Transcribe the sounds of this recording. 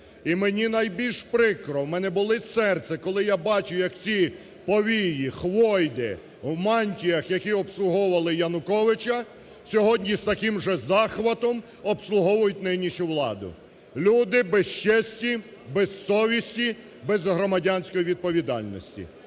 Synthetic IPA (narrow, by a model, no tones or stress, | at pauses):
imenʲinɐjbʲilʲʃpɾɪkɾɔwmɛnɛbʊlˠɪsɛrt̪sʲɛkɔlˠɪjabɑt͡ʃʊjɐkt͡sʲi | pɔʋʲijixʋɔjd̪ɪ̰ | wmɑnʲtʲijɐxjɐkʲiɔpslˠʊɦɔʋɐlˠɪjɐnʊkɔʋɪt͡ʃɐ | sʲɔɦɔdʲnʲist̪ɐkɪmʒɛzɑxʋɐt̪ɔm | ɔpslˠʊɦɔʋʊjʊtʲnɪnʲiʃʊʋlˠɑ̰d̪ʊ̰ | lʲud̪ɪbɛst͡ʃɛsʲtʲi | bɛzsɔʋʲisʲtʲi | bɛzɦɾɔmɐdʲanʲsʲkɔjiʋʲid̪̚pɔʋʲid̪ɑ̰lʲnɔ̰sʲtʲḭ